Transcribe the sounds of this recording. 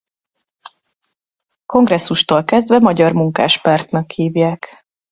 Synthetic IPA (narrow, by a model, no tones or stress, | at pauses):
ko̞ŋɡrɛsːuʃt̪oːlkɛzd̪vɛmɒɟɒrmuŋka̰ːʃpɒrt̪nɒkhiːvjaːk